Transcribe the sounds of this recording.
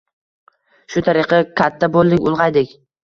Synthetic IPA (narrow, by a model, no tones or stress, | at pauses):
ʃʊt̪ʰaɾɪqʰɨkʲʰat̪ʰːabolˠd̪ɪŋʲʊlˠʁɑjd̪ɪkʲ